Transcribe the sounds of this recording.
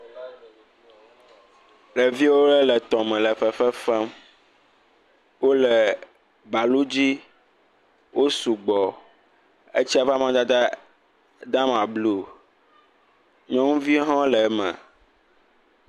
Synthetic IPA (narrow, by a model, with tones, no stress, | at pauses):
lɛ˨vi˦wo˦ɖɛ˦lɛ˨t̪ɔ̃˨mɛ̃˨lɛ˨fɛ˨fɛ˦fɛ˦m | wo˦lɛ˨ | ba˨lu˦d͡ʑi˦ | wʔo˦su˨ɡ͡bɔ˨ | ḛ˦t͡ɕi˦a˨va˦mã˦d̪a˦ | d̪a˦mã˨blu˦ | ɲɔ̃˦ŋũ˦vi˦ɦɔ̃˦lɛ˨˦mɛ̰̃˨